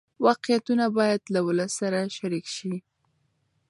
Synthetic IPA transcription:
wɑqjat̪unabɑjad̪lawʊləsːaɾaʃaɾikʃi

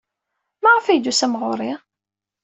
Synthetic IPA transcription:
mæʁəfæjd̪usæmʁʊɾˤi

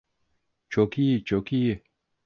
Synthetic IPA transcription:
t͡ʃʰokit͡ɕokie

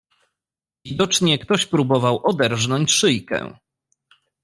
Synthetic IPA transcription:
vʲid̪ɔt͡ʂɲɛkt̪ɔɕpɾubɔvawʔɔd̪ɛɾʐnɔɲt͡ɕʂɘjkɛ̰̃

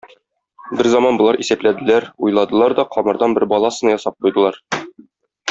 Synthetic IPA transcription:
bɘɾzɒmɑnbŏlˠɑɾʔisæplæd̪ɘ̆læɾujlˠɑd̪ɤ̆lˠɑɾd̪ɒqʰɒmɤ̆ɾd̪ɑnbɘɾbɒlˠɑsɤ̆nɑjɒsɑp̚qujd̪ɤ̆lˠɑɾ

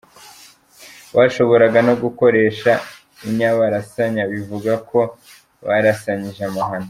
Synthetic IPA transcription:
waʃo̞βo̞ɾaɡanoɡuko̞ɾe̞ːʃa | iɲaβaɾasaɲaβivuɡakʰo̞ | βaɾasaɲiʒamaɦano

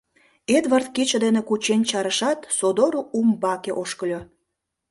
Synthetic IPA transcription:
ed̪βɑrt̪̚kit͡ɕə̆d̪enekut͡ɕenʲt͡ɕɑɾəʃɑt̪sod̪oɾuumbɑkeʔoʃkəlʲo

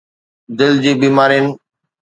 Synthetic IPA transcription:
d̪ɪld͡ʑiːbiːmaːɾinɪ̆

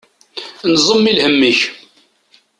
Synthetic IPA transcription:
nzˤəmːilhəmːiç

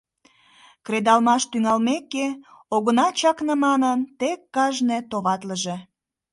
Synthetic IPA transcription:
kɾed̪ɑlmɑʃt̪yŋɑlmekːeoɣənɑt͡ɕɑknəmɑnənt̪ekːɑʒnet̪oβɑt̪ləʒe

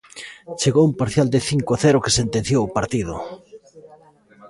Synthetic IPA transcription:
t͡ʃeɣowumpaɾθjald̪ɪθiŋkoaθɛɾʊkɪ̥sent̪ẽn̟θjowːpaɾt̪ið̞ʊ̰

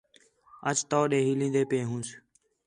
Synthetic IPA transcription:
ət͡ʃt̪oːɗeːɦiːlĩːnd̪eːpẽːɦũːs

